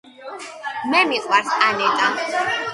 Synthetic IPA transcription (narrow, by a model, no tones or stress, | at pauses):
mɛmiqʼwaɾsanɛt̪ʼa